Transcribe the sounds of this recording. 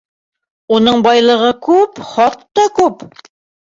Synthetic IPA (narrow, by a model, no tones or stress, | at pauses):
unɤɴbɑjlˠɤ̆ʁɤkʉpχɑt̪ːɑkʉp